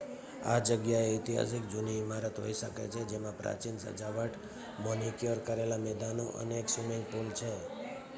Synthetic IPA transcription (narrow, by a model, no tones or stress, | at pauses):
a̰d͡ʒəɡjaeɪt̪iɦa̰s̬ikd͡ʒʊniːmaɾət̪ɦo̰iʃəkḛt͡ʃʰed͡ʒemãpɾa̰t͡ʃinsə̰d͡ʒaʋəʈ | mɔnikjoɾkəɾelamɛd̪ano̰ʔə̰neksumĩŋɡpolt͡ʃʰe